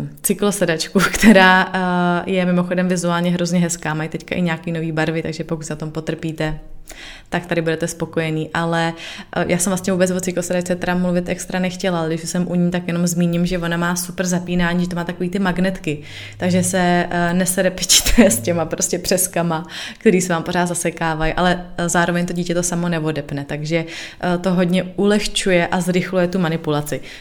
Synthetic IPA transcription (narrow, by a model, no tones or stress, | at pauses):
t͡sɪklo̞sɛdat͡ʃkukt̪ɛɾaː | jɛmɪmo̞xo̞dɛmvɪzuaːlɲɛɦɾo̞zɲɛɦɛskaːmajt̪ɛckaʔɪɲaːkiːno̞viːbaɾvɪt̪aɡʒɛpo̞kut̪snat̪ompo̞t̪r̩piːt̪ɛ | t̪ak̚t̪adɪbudɛt̪ɛspo̞ko̞jɛniːʔalɛjʔaːsɛmvlast̪ɲɛvuːbɛt͡svo̞t͡sɪklosɛdat͡ʃt͡sɛt̪ɛɾamluvɪt̪ʔɛkst̪ɾanɛxcɛlalɛɡdɪʃsɛmʔuɲiːt̪akjɛno̞mzmiːɲɪmʒɛvo̞namaːsupr̩zapiːnaːɲiːʒɛt̪omaːt̪akoviːt̪ɪmaɡnɛt̪kɪ | t̪aɡʒɛsɛnɛsɛɾɛpɪt͡ʃɪ̥t̪jɛscɛmapɾo̞scɛpr̥ɛskamakt̪ɛɾiːsɛvaːmpo̞ɾaːt̪zasɛkaːvajʔalɛzaːɾovɛɲt̪oɟiːcɛt̪o̞samo̞nɛvo̞dɛpnɛt̪aɡʒɛt̪o̞ɦo̞dɲɛʔulɛxt͡ʃujɛʔazɾɪxlujɛt̪umanɪpulat͡sɪ